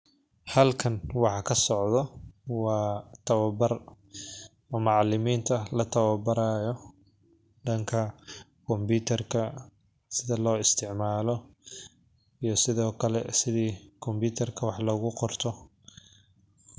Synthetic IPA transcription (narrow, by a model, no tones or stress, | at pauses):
hɐlkʰɐnwɑħɑkʰɐsɔʕðɔwɑːt̪ʰɐwɐbɐr | ɐmɑʕlɪmiːnt̪ʰɐlɐt̪ʰɐwɐbɐɾaːjɔ | ɖɐŋkʰɐ | kʰɔmbut̪ʰɐrkʰɐ | sɪðɐlɔːɪst̪ʰɪʕmaːlɔ | ijɞsɪðɔːkʰɐlɛsɪðiːkʰɔmbuːt̪ʰɐrkʰɐwɑħlɔɣʊqɔrt̪ʰɔ